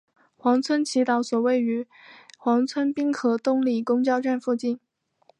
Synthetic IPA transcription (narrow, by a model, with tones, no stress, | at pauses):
xwɑ˧˥ŋt͡sʰwə˥nt͡ɕʰi˧˥t̪ɑ˧˥ʊswɔ˨˩we˥˩ɪy˧˥ | xwɑ˧˥ŋt͡sʰwə˥npi˥ŋkʰɤ˨˩t̪ʊ˥˧ŋli˥˩kʊ˥ŋt͡ɕjɑ˥˧ʊʈ͡ʂa˥˧nfu˥˧t͡ɕi˥˩n